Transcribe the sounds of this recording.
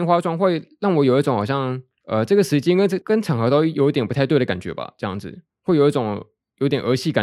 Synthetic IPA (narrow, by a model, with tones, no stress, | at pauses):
nxwa˥ʈ͡ʂwɑ˥ŋxwe˥˧ɪlɑ˥˩ŋwɔ˧˥jo˨˩ʊi˥˩ʈ͡ʂʊ˧˥˦ŋxɑ˨˩ɕjɑ˥˧ŋ | ə˨ʈ͡ʂɤ˥˩ɡə˩ʂɻ̩˧˥t͡ɕjɛ˥nkə˥n˥kə˥nʈ͡ʂʰɑ˨˥ŋxɤ˧˥t̪o˥ʊ˥˩jo˧˥ʊi˥t̪jɛ˨˩npu˧˥t̪ʰa˥˧ɪwe˥˩ɪdə˩ka˨˩nt͡ɕɥɛ̰˧˥bɐ̰˧ʈ͡ʂɤ˥˧jɑ̰˥˩ŋd͡zɹ̩̰˨˩ | xwe˥˩ɪjo˨˩ʊi˥˩ʈ͡ʂʊ˨˩ŋ | jo˧˥ʊt̪jɛ˨˩ʔə˧˥ɕi˥˩ka˨˩